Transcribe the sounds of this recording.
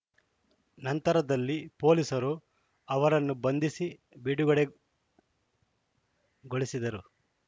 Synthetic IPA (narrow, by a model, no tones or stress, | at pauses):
nɐnt̪ɐɾɐd̪ɐlːipo̞ːlisɐɾu | ɐʋɐɾɐnːubɐnd̪isi | biɽuɡɐɽe | ɡoɭisid̪ɐɾu